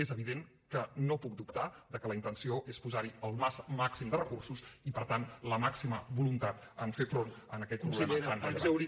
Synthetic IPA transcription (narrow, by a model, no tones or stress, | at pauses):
ezəβ̞iðeŋ | kənopuk̚d̪upt̪aðəkələint̪ənsioʔespuzaɾiəlˠmasmaksimd̪ərəkursusipəɾt̪anləmaksiməβulunt̪at̪ | əɱfefɾonənəkɛt̪̚kunseʎanzəwɾi